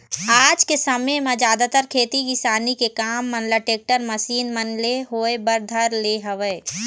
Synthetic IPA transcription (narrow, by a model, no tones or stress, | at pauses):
aːd͡ʒkesɐmemãd͡ʒjaːd̪at̪əɾkʰeːt̪ikisaːnikekaːmːɐnlaʈeːk̚ʈəɾmɐsiːnmɐnleɦoːebəɾd̪ʱɐɾleɦɐʋəː